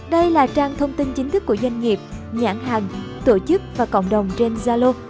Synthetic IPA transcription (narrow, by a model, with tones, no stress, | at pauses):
ɗə˧jlaː˨˩t͡ɕaː˧ŋt̪ʰə˧wŋ͡mt̪i˧nt͡ɕi˨˦ŋ̟t̪ʰɨ˦˥kːu˧˩əzwa˧jŋ̟ŋi˨˩əp̚ɲa̰ː˧˥˩ŋɦaː˨˩ŋ | t̪o˧˩t͡ɕɨ˦˥k̚vaː˨˩kə̰˧˨wŋ͡mɗə˨˩wŋ͡mt͡ɕe˧nzaː˧lo˧